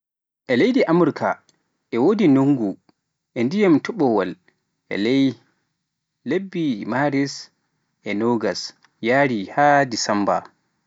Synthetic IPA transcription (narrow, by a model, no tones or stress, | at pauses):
ʔɛlejdiʔamuɾkʰa̰ | ʔɛwodinoŋɡu | ʔɛndijamtuɓɔwal | ʔɛ̰lej | lebːimaɾis | ʔɛnoɡas | jaːɾihadisamba̰